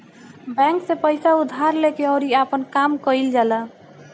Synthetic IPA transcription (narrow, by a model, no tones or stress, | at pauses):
bɛ̃ŋksepəjsaud̪ʱːaɾlekeɔɾiapənkamkəjld͡ʒala